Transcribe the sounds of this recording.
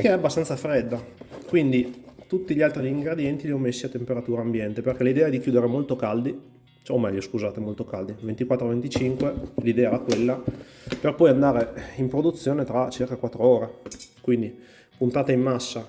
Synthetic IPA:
keɛabːast̪ant̪safɾɛd̪ːakwind̪it̪ut̪ːiʎialt̪ɾiiŋɡɾed̪jɛnt̪iliɔmːesːiat̪ːempeɾat̪uːɾaːmbjɛnt̪eperkɛlid̪ɛːaɛd̪ikjuːd̪eɾemolt̪okald̪i | omɛʎːoskuzaːt̪emolt̪okald̪ivent̪ikwat̪ːɾovent̪it͡ʃiŋkwelid̪ɛːaɛɾakwelːa | perpɔjand̪aːɾeimpɾod̪ut̪sːjoːnet̪ɾat͡ʃirkakwat̪ːɾooːɾekwind̪i | punt̪aːt̪aimːasːa

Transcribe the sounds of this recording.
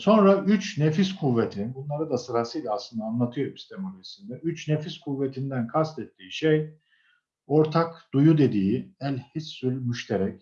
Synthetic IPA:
so̞nɾaʔyt͡ʃnefiskʰuvːet̪ʰibunlˠaɾɯd̪asɯɾasɯjlʲaaslˠɯnd̪anlˠat̪ʰɯjo̞ɾist̪ʰemulʲesind̪ɛyt͡ʃnefiskʰuvːet̪ʰind̪ænkʰast̪ʰɛt̪ːiːʃej | o̞ɾt̪ʰakd̪̥ujud̪e̞d̪iːiælʲhisːylʲmyʃt̪ʰeɾɛc

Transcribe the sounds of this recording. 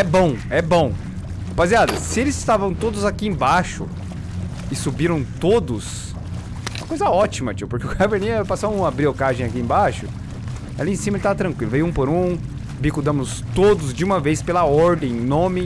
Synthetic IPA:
ɛbõw̃ɛbõw̃ | baziad̪ɐsɪelɪzɪst̪avɐ̃w̃t̪od̪ʊzakiẽbaʃʊ̰ | ɪsubiɾɐ̃w̃t̪od̪ʊs | ṵ̃mɐkojzɐɔt͡ʃimɐt͡ʃipoɾkeʊkaveɾnejɛpasɐ̃ũabɾiokaʒẽj̃akiẽbaʃʊ | ɛ̰lɐẽsĩmɐelɪt̪avɐt̪ɾɐ̃kwilʊvejuũpoɾũ | bikʊd̪ɐ̃mʊst̪od̪ʊzd͡ʒɪũmɐvejspelɐɔɾd̪ẽj̃nõmɪ

